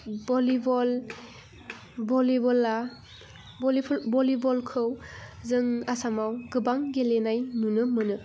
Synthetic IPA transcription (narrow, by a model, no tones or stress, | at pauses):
bɔlibɔl | bɔlibɔla | lbɔlibɔlkʰɯwzɯŋasamawɡɯbaŋɡelenajnunɯmɯnɯ